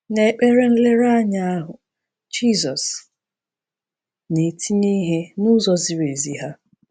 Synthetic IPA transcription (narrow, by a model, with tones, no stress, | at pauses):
ne˨k͡pe˦ɾe˦n̩˦le˦ɾa˦ɲa˦a˦ɦʊ˨ | d͡ʒi˦zɔ˨s | ne˨tʰi˦ni˦ɦe˦nʊ˦zɔ˦zi˨ɾe˨zi˨ɦa˦